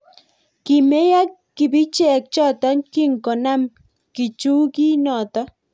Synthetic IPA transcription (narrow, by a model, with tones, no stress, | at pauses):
ki˨me˦ja˦k | kːi˨bi˦t͡ʃɛ˨k̚t͡ʃɔ˦˨t̪a˦nki˦ŋkɔ˨na˦m | ki˨t͡ʃu˦ki˦nɔ˨t̪ɔ˦